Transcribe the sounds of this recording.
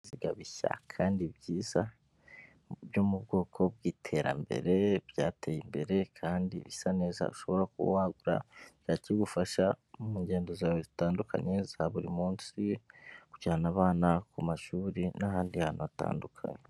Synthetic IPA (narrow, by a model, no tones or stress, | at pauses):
ziɡaβiça̰kʰaːndibjiːz̥a | bjo̞mubɡo̞ːkʰo̞bɡiːtʰe̞ɾa̰mbe̞̰ɾe̞bjaːtejimbe̞ɾe̞kʰaːndḭβiz̥ane̞ːza̰uʃo̞βo̞ɾakuwaːɡuɾa̰z̥iaciiɡufaʃamuɲɟe̞ːndo̞zaːwezitaːndukʰa̰ɲezaβuɾimuːnsiku̥ɟihanaβaːnakumaʃuːɾinaɦaːndihaːnuata̰ːndukʰa̰ɲe